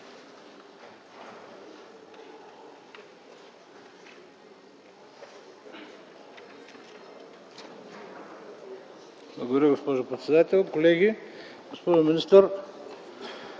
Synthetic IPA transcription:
blˠɐɡod̪ɐɾʲiɡospoʒopɾɛt̪sʲɛd̪at̪ʲɛlʲˠkolɛɡʲi | ɡospoʒominist̪əɾ

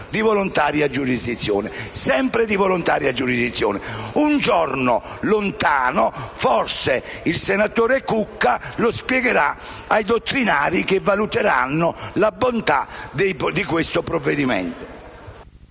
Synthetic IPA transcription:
d̪ivolont̪aːɾjiad͡ʒːuɾizd̪it̪sːjɔ̰ːnɛsɛmpɾed̪ivolont̪aːɾjiad͡ʒːuɾizd̪it̪sːjɔ̰ːnɛund͡ʒɔrnolʊnt̪aːnofɔrse | ilsenat̪oːɾekukːalospjɛɡeɾa | ajd̪ot̪ːɾinaːɾikevːalut̪eɾa̰nːʊlabont̪ad̪ed̪ikwɪst̪ʊpɾɔvːed̪imɛ̰nt̪ʊ̥

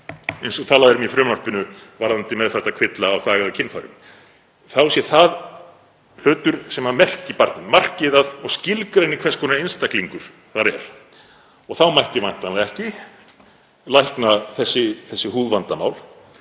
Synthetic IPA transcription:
ejnsɔt̪ʰaːlaðɪɾʏmifɾʏːmnar̥pɪnʏvaɾðant̪ɪmɛðθɛht̪ːakʰvɪt̪laːwθaːɣaðʏcʰɪnfaɾɪ̰m | θawsjɛθað | l̥œːt̪ʏɾ̥sɛmamɛr̥cɪpaɾt̪nɪnmar̥cɪðaðɔɣscɪlkɾaɪnːɪkʰvɛskʰɔːnaejnst̪akliŋkʏɾ̥ | θaɾɛɾ̥ | ɔɣθawmajht̪ɪvajn̥t̪anlaɛhcɪ | lajhknaθɛsːɪθɛsːɪhuːðvant̪ama̰wl

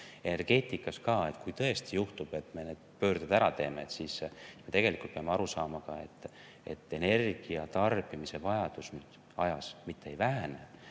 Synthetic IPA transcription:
e̞ne̞rɡ̥e̞ːt̪ˑikːˑɑskɑːe̞t̪kujt̪ɤe̞st̪ijuht̪ub̥e̞t̪ːˑme̞neːd̪̥̚pø̞ːrd̪ud̪æɾɑt̪e̞ːmeːt̪siːsime̞t̪e̞ɡ̥e̞likːˑult̪peɑmeɑɾusɑːmɑkɑ̰e̞t̪ːˑ | e̞̰t̪ːˑe̞ne̞rɡ̥iɑt̪ɑrb̥imise̞vɑjɑd̪̥usnyd̪̥ | ɑjɑsmit̪ʰːe̞ejvæɦæne

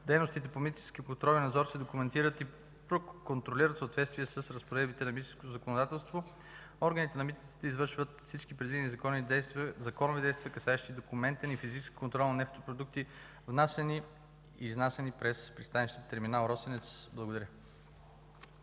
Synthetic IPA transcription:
d̪ɛjnoʊst̪it̪ɛpomit̪ʲt͡ʃɛ̥skʲikont̪ɾɔlʲinɐd̪zɔɾsɛd̪okumɛnt̪iɾət̪i | pɾokont̪ɾoliɾət̪səoːt̪vɛt̪st̪vʲiɛsəsɾəspoɾɛd̪bit̪ɛnɐmit̪ɛ̥skot̪ozɐkonod̪at̪ɛlˠst̪vo | ɔɾɡənit̪ɛnɐmit̪nit̪si̥t̪ɛizvɤɾʃvət̪fsit͡ʃkipɾɛd̪vinizɐkɔnizɐkɔnovid̪ɛjst̪viəkɐsaɛʃt̪id̪okumɛnt̪ɛnifizit͡ʃskʲi̥kont̪ɾɔlˠnɐnɛft̪opɾod̪uk̚t̪i | vnasɛni | iznasɛnipɾɛspɾist̪aniʃt̪iət̪ːɛɾminalˠɾɔsɛnɛt̪sblˠɐɡod̪ɐɾə

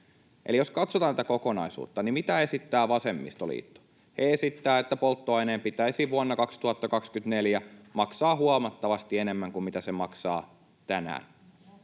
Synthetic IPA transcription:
ʔḛlijo̞skɑt̪sot̪ɑnæt̪æko̞ko̞nɑisṵːt̪ːɑnimit̪æe̞sit̪ːæːʋɑse̞mːḭst̪olḭːt̪ːo̥ | heesit̪ːæːet̪ːæpolˠt̪ːoɑjneːmpit̪æisiʋuɑnːɑkɑkst̪uhɑt̪ːɑkɑkskyt̪ne̞ljæmɑksɑːhuɑmɑt̪ːɑʋɑst̪iene̞mːæŋkummit̪æsemɑksɑː | t̪ænæ̰ːn

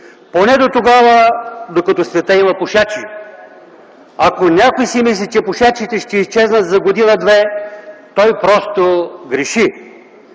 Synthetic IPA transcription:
ponɛd̪ot̪oɡavəd̪okɐt̪osvɛt̪əimɐpʊʃat͡ʃi | ɐkonʲakojsimislʲit͡ʃɛpʊʃat͡ʃit̪ɛʃt̪ɛist͡ʃɛznət̪zɐɡod̪inɐd̪vɛt̪ɔjpɾɔst̪oɡɾɛʃi

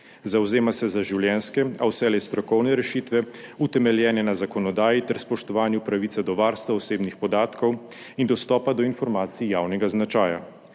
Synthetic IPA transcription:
zawzeːmasɛzaʒiwljɛnskɛawsɛlɛst̪ɾɔkɔwnɛɾɛʃit̪ʋɛut̪ɛmɛljɛːnɛnazakɔnɔd̪aːjit̪ɛɾspɔʃt̪ɔʋaːnjupɾaʋiːt̪sad̪ɔʋaːɾst̪ʋaɔseːbnixpɔd̪aːt̪kɔw | ind̪ɔst̪ɔːpad̪ɔinfɔɾmaːt̪sijaːwnɛɡaznat͡ʃaːja̰

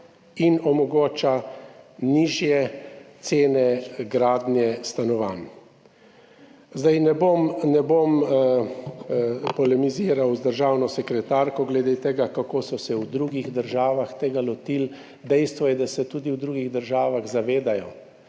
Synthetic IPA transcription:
inɔmɔɡoːt͡ʃa | niʒjɛt̪seːnɛɡɾaːd̪njɛst̪anɔʋan | zd̪ajnɛbomnɛbom | pɔlɛmiziːɾawzd̪əɾʒaːwnɔsɛkɾɛt̪aːɾkɔɡlɛd̪et̪eɡakakoːsɔsɛwd̪ɾuɡiɣd̪əɾʒaːʋaxt̪eːɡalɔt̪il | d̪ɛjst̪ʋɔjɛd̪asɛt̪uːd̪iwd̪ɾuːɡiɣd̪əɾʒaːʋaɣzaʋeːd̪ajɔ

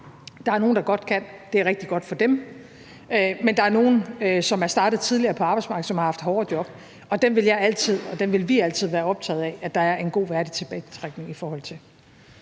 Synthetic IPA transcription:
d̥ɑ̈æɐno̝ːn̩d̥ɑ̈ɡ̥ɒ̽d̥̚kʰæn̰d̥e̝æɐʁeɡ̥d̥iɡ̥ɒ̽d̥fɒ̽d̥em | ømend̥ɑ̈æɐno̝ːn̩øsɒ̽mæɐsd̥ɑ̈ːd̥ð̩ˠt͡sʰið̞ˠliɐːpʰɒ̽ɑb̥ɑ̈ɪsmɑ̈ːɡ̥ð̩ˠsɒ̽mhɑ̈hɑfd̥ɦɒːd̥jɒ̽b̥ | ɒ̽d̥enʋe̝ljɑ̈ɪæl̰t͡sʰið̞̰ˠɒ̽d̥enʋe̝lʋiæl̰t͡sʰið̰ˠʋæːɐɒ̽b̥̚t͡sʰɛ̰ːð̩ˠɛæd̥ɑ̈æɐʔe̝nɡ̥o̝̰ːʋæɐd̥it͡sʰe̝b̥ɛ̰ːt͡sʰʁaɡ̥ne̝ŋifɒːhɒ̽l̰t͡sʰe̝l

